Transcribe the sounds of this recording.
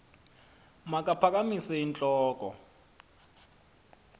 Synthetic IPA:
mak̬ʼapʰak̬amisɛint͡ɬʼɔːkʼɔ̰

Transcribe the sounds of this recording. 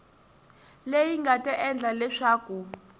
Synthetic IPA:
lejiŋɡatʼɛʔɛnd͡ɮʱalɛʂaːku

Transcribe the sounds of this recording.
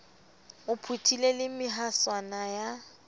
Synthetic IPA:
ʊpʰutʰilelɪmɪɦaswanaja

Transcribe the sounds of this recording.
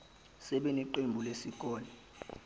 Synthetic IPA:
sɛɓeniǃembʱulesik̬ʼɔːlɛ

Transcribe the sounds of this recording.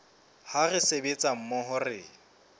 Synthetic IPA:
harɪsebet͡sʼam̩mɔɦʊrɪ

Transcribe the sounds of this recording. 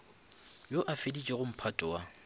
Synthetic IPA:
joʔafedit͡ʃʼɛɣʊm̩pʰatʼɔwa

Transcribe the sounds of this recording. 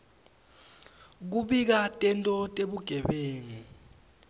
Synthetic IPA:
k̬uɓik̬atʼɛntʼɔtʼeɓuɡ̥ʱɛɓeːŋi

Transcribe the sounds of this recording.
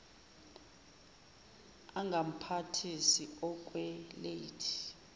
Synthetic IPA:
aŋɡʱam̩pʰatʰisiɔk̬ʼwɛletʰi̥

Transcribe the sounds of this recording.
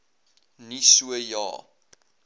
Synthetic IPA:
nisuəjɑ̰ː

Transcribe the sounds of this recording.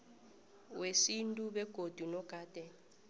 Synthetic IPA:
wesintʼuɓɛɡ̥ʱod̥ʱunɔɡ̥ʱaːd̥ʱɛ

